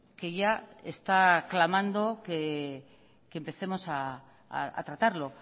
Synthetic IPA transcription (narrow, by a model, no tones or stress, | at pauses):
ke̞ʝaḛst̪aklamãnd̪o̞ke | kempe̞θe̞mo̞sa | a̰t̪ɾat̪aɾlo̞